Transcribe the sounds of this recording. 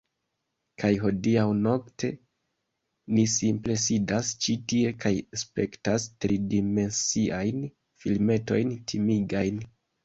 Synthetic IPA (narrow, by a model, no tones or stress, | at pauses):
kʰajɦo̞diawno̞ktʰe̞ | nisimple̞sidast͡ʃitie̞kajspe̞ktastɾidime̞nsiʔajn | filme̞to̞̰jntʰimiɡajn